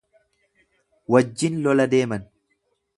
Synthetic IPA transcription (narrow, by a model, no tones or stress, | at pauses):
wɐd͡ʒːɪnlɔlɐd̪e̞ːmɐn